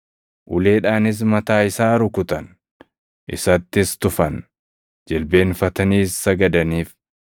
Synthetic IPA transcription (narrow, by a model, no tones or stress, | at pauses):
ʔʊle̞ːᶑaːnɪs̬mɐt̪aːɪsaːɾʊkʊt̪ɐn | ʔɪ̰sɐt̪ːɪst̪ʊfɐn | d͡ʒɛlbe̞ːnfɐt̪ɐniːsːɐɡɐd̪ɐniːf